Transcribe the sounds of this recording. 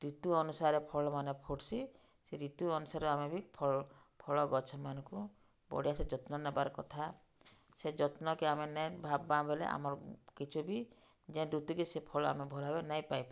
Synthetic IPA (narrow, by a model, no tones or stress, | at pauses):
ɾit̪uɔnusaɾepʰɔɭɔmanepʰoʈsi | seɾit̪uɔnusaɾɔamebʱipʰɔ | pʰɔɭɔɡɔt͡ʃʰɔmanɔ̃ŋku | bɔ̰ɽiased͡ʒɔt̪nɔnabaɾɔkɔt̪ʰa | sed͡ʒɔt̪nɔkiamenejbʱabːabelḛʔa̰mɔɾɔkit͡ʃʰubi | d͡ʒẽdut̪ukisepʰɔɭɔa̰mebʱɔlɔɦebenajpajpa